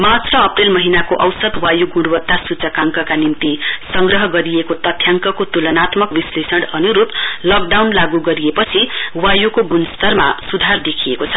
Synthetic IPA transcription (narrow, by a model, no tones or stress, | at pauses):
mat͡srʌːprelmʌɦinakoʔʌwsʌd̪wajuɡuɽwʌt̪ːasut͡sʌkaŋkʌkanint̪isʌŋɡrʌɦʌɡʌɾijekot̪ʌt̪ʰjaŋkʌkot̪ulʌnat̪mʌkbislesʌɽʌnuɾup̪lʌk̚ɖawnlaɡuɡʌɾijepʌt͡sʰiwajukoɡunst̪ʌrma̰sud̪ʱard̪ekʰijekot͡sʰʌ̥